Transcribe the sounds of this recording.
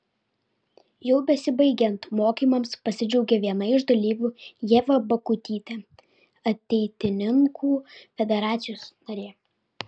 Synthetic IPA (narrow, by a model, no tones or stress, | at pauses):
jɛʊbʲɛsʲɪbɐɪɡʲɛnt̪moːkʲiːmɐmspɐsʲɪd͡ʒʲɛʊɡʲɛʋʲiɛnɐɪɪʒd̪ɐlʲiːʋʲuːjeːʋɐbɐkʊt̪ʲiːt̪ʲɛ | ɐt̪ʲɛɪt̪ʲɪnʲɪŋkʰuːfʲɛd̪ʲɛɾɑːt̪sʲɪjoːsnɐɾʲeː